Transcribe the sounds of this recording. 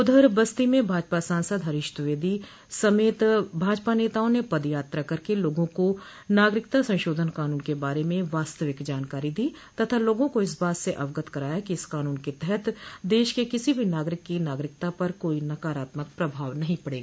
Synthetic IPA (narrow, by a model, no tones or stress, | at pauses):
ʊd̪ʱəɾbɐst̪imẽbʱaːd͡ʒpasãːnsəd̪ɦɐɾɪʃt̪ʋeːd̪i | sɐmeːt̪bʱaːd͡ʒpaneːt̪aːõnepɐd̪jaːt̪ɾakɐɾkeloːɡõko | naːɡɾɪkt̪asɐ̃nʃoːd̪ʱənkaːnuːnkebaːɾemẽʋaːst̪əʋɪkd͡ʒaːnkaːɾid̪iː | t̪ɐt̪ʰaloːɡõkoɪs̬baːt̪seʔɐʋɡət̪kɐɾaːjakiɪskaːnuːnket̪ɛɦɛt̪d̪eːʃkekɪsibʱinaːɡɾɪkːinaːɡɾɪkt̪apɐɾkoːinɐkaːɾaːt̪mək̚pɾɐbʱaːʋnɐɦĩpɐɽeːɡaː